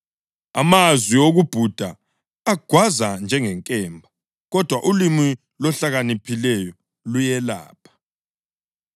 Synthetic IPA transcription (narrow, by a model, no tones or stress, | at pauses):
a̰mazwioɣub̥ʱud̥ʱaː | ɡ̥ʱwazand͡ʒʱɛŋɛŋkʼɛmbʱa | ɣɔd̥ʱwaʔulimi | lɔɬaɣanipʰilɛjɔ | lujɛla̰ːpʰḁ